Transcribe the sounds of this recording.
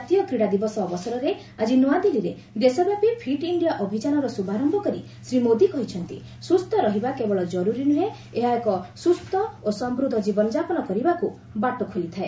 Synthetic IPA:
at̪ijɔkɾiɽad̪ibɔsɔːbɔsɔɾɔɾe | ad͡ʒinuwad̪iliɾe | d̪esɔbjapipʰiʈiɳɖijaʔɔbʱid͡ʒanɔɾɔsubʱaɾɔmbʱɔkɔɾi | sɾimod̪ikɔɦit͡ʃʰɔnt̪ḭ | sust̪ʰɔɾɔɦibakebɔɭɔd͡ʒɔɾuɾinuɦe | eɦaekɔsust̪ɔosɔmbɾud̪ʱɔd͡ʒibɔnɔd͡ʒapɔnɔkɔɾibaku | baʈɔkʰolit̪ʰae

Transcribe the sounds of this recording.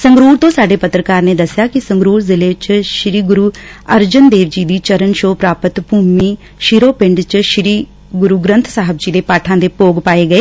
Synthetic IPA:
səŋɡɾuːɾt̪õːsaːɖeːpət̪ɾəkaːɾneːd̪əsːɪjaːkɪsəŋɡɾuːɾzɪleːt͡ʃʃɾiːɡʊɾuːəɾd͡ʒənd̪eːʋd͡ʒiːd̪iːt͡ʃəɾənʃoːpɾaːpət̪bʱuːmiː | ʃɪɾoːpɪ̃ɳɖt͡ʃʃɾiː | ɡʊɾuːɡɾə̃nt̪ʰsaːɦəbd͡ʒiːd̪eːpaːʈʰãːd̪eːpoːɡpaːeːɡəeː

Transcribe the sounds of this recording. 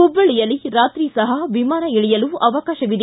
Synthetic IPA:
ubːɐɭijɐlːiɾaːt̪ɾiːsɐɦɐʋimaːnɐiɭijɐluɐʋɐkaːʃɐʋid̪e

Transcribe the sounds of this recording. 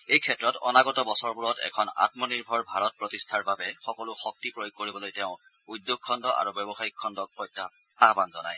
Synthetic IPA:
ejkʰɛtɹɔtɔ̰naɡɔtɔbɔsɔɹbuɹɔtɛ̰kʰɔna̰tmɔniɹbʱɔɹbʱaɹɔt̚pɹotistʰaɹbabɛxɔkɔlʊxɔk̚tipɹojoɡ̚koɹibɔlojtɛʊ̃ | udːjoɡ̚kʰːɔndɔʔa̰ɹubjɛbɔxaikʰːɔndɔk̚pɔjtːa | abanzɔna̰j

